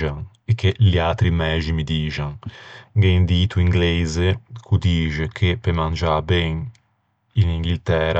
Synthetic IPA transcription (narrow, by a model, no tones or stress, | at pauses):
aŋ | ekʰːeliat̪ɾimɛːd͡ʒimid̪iːʒaŋɡeind̪iːt̪ʰuiŋɡlɛzekʰud̪iːʒekʰepemand͡ʒabɛŋ | iniŋɡilt̪ɛːɾa